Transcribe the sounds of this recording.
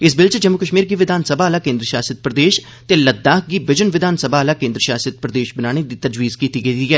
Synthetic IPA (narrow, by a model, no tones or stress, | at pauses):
ɪs̬bɪlt͡ʃd͡ʒəmːʊkəʃmiːɾɡiːʋɪd̪ʱaːnsəbʱaːlaːkẽːnd̪ɾəʃaːsət̪̚pɾəd̪eːʃ | t̪eləd̪ːaːɦɡiːbɪd͡ʒənʋɪd̪ʱaːnsəbʱaːlaːkẽːnd̪ɾəʃaːsət̪̚pɾəd̪eːʃbɪnaːɽ̃ed̪iːt̪ɐd͡ʒʋiːzkiːt̪iːɡəid̪iːɛː